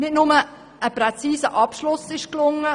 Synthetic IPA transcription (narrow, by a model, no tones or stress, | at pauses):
nɪtnʊmə | ʔəpɾɛt͡siːsəʔɑpʃlʊsɪʃklʊŋə